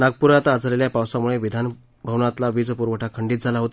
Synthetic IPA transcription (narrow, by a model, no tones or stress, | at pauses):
naɡ̚puɾat̪ad͡zleljapawsamuɭeʋid̪ʱan | bʱəwnat̪laʋiːd͡zpuɾʋəʈʰakʰəɳɖiːt̪̚d͡zʱalaɦot̪